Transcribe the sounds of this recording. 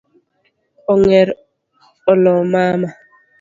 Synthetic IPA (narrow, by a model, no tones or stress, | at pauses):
ɔŋɛɾ | ɔlɔmaːma